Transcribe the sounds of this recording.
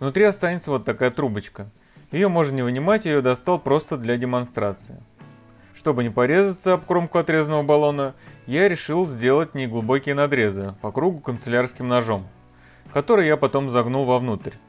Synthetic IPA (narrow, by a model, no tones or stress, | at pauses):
vnʊt̪ɾʲiɐst̪anʲɪt̪səvo̞t̪ːɐkajət̪ɾubət͡ɕkə | jɪjo̞mo̞ʐɨnnʲɪvnʲɪmatʲjɪjo̞d̪ɐst̪alˠpɾo̞st̪əd̪lʲadʲɪmɐnst̪ɾat̪sɨɪ̰ | ʂt̪o̞bɨnʲɪpɐɾʲe̞zət̪səɐpkɾo̞mkʊɐt̪ɾʲe̞zənəvəbɐlˠo̞nəjaɾʲɪʂɨlˠzʲdʲe̞lˠət̚ʲnʲɪɡlˠʊbo̞kʲɪjənɐd̪ɾʲe̞zɨpɐkɾuɡʊkənt̪sɨlʲarskʲɪmnɐʐo̞m | kɐt̪o̞ɾɨjjapɐt̪o̞mzɐɡnulˠvɐvnut̪ərʲ